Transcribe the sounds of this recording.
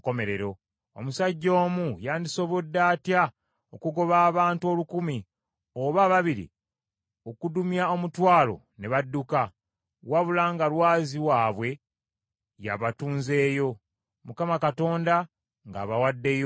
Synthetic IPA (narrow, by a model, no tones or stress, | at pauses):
kome̞ɾe̞ɾo̞ | o̰musaɟːo̞ːmujaːndiso̞βodːaːtja | okuɡo̞βaːβaːntuo̞ːlukumi | o̞βaːβaβiɾḭ | okudumjao̞mutwaːlo̞̰ne̞βadːuka | waβulaːŋɡalwaːziwaːβwe̞ | ja̰βatuːnze̞ːjo̞ | mukamakato̞ːnda | ŋɡa̰ːβawadːe̞jo